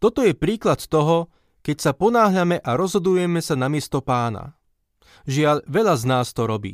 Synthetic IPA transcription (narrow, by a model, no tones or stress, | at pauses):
t̪ɔt̪ɔjɛpɾiːklat̪ːɔɦɔ | kɛcsapɔnaːɦʎamɛʔaɾɔzɦɔd̪ujɛmɛsanamɪɛst̪ɔpaːna̰ | ʒɪaʎʋɛʎaznaːst̪ɔɾɔbḭː